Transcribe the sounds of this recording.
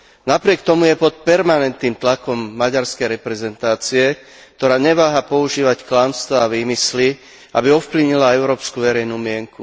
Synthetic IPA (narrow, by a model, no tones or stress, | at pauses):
napɾɪɛkt̪ɔmujɛpɔt̪̚pɛɾmanɛnt̪niːmt̪lakɔmːaɟaɾskɛjɾɛpɾɛzɛnt̪aːt͡siɛ | k̚t̪ɔɾaːɲɛʋaːɦapɔuʒiːʋacklamst̪ʋaːʋiːmisli | a̰biɔfpliʋɲilaɛʊɾɔːpskuʋɛɾɛjnumɪɛŋku